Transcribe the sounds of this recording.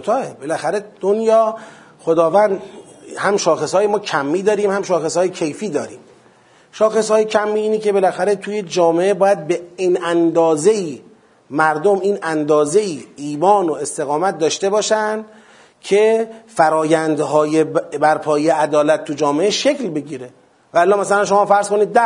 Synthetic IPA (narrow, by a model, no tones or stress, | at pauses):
ot̪ʰɒːebe̞læxæɾe̞d̪̥onjɒː | xod̪ɒːvænd̪hæmʃɒːxesɒːjemɒːcʰæmːiːd̪ɒːɾiːmhæmʃɒːxeshːjecʰe̞jfiːd̪ɒːɾiːm | ʃɒːxe̞shɒːjecʰæmːiːiːnecʰebe̞læxæɾe̞t̪ʰuːje̞d͡ʒɒːmeʔebɒːjæd̪̚beiːnænd̪ɒːze̞iː | mæɾd̪omiːnænd̪ɒːze̞iːiːmɒːnoe̞st̪e̞ɣɒːmæt̪̚d̪ɒːʃt̪e̞bɒːʃænd̪ | cʰe̞fæɾɒːjænd̪ɦɒːjebæɾpʰɒːjejeʔæd̪ɒːlæt̪ʰːud͡ʒɒːmeʔeʃeklbe̞ɡiːɾe | væːlːɒːmæsælænʃo̞mɒːfæɾz̥koniːd̪̚ːæ